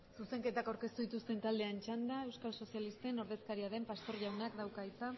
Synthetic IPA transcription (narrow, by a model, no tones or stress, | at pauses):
suse̞ŋke̞t̪akawɾke̞st̪uðit̪ust̪e̞nt̪ald̪e̞ant͡ʃand̪ae̞wskalso̞sialist̪e̞no̞ɾð̞e̞skaɾiaðe̞mpast̪o̞ɾʝawnakd̪awkajt͡s̪a